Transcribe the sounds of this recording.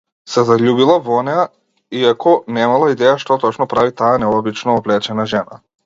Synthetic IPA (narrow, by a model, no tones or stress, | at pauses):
sɛzaʎubilˠavɔnɛa | iakɔnɛmalˠaid̪ɛjaʃt̪ɔt̪ɔt͡ʃnɔpɾavit̪aːnɛɔbit͡ʃnɔːblɛt͡ʃɛnaʒɛna